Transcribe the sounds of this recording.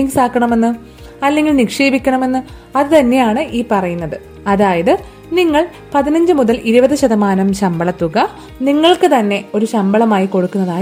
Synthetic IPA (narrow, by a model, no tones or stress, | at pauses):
iŋɡsaːkːɐɳɐme̞nːɨ | ɐlːeŋɡilnikʂeːbikʲːɐɳɐme̞nːɨ | ɐðɨt̪ɐnːe̞jaːɳɨʔiːpɐrɐjunːɐðɨ | ɐðaːjɐðɨ | niŋːɐɭ | pɐðinɐɲd͡ʑɨmuðɐlʔiɾubɐðɨɕɐðɐmaːnɐmɕɐmbɐɭɐt̪ːuɣɐ | niŋːɐɭkɨt̪ɐnːe̞o̞ɾuɕɐmbɐɭɐmaːjiko̞ɽukːunːɐðaː